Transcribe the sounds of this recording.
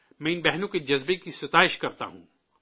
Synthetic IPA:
mɛ̃ːɪnbɛɦnõked͡ʒɐzbekisɐt̪aːɪʃkɐɾt̪a̰ɦṵ̃ː

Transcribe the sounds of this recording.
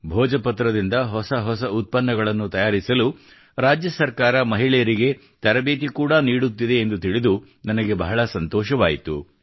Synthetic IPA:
bʱɔːd͡ʒɐpɐt̪ɾɐd̪ind̪ɐɦɔsɐɦɔsɐut̪̚pɐnːɐɡɐɭɐnːut̪ɐjaːɾisɐlu | ɾaːd͡ʒjɐsɐɾkaːɾɐmɐɦiɭɛjɐɾiɡe̞ | t̪ɐɾɐbeːt̪ikuːɽɐniːɽut̪ːid̪e̞ːnd̪ut̪iɭid̪u | nɐnɐɡe̞bɐɦɐɭɐsɐnt̪ɔːʃɐʋaːjit̪ṵ

